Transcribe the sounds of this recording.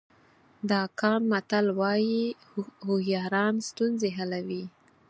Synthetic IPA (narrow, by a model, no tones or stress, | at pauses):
d̪ɑkɑnmat̪alwɑji | hʊhjɑɾɑnst̪unzeɦalawi